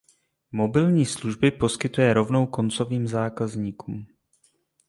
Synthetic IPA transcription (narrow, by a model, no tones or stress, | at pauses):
mo̞bɪlɲiːsluʒbɪpo̞skɪt̪ujɛɾo̞vno̞wko̞nt͡so̞viːmzaːkazɲiːkuːm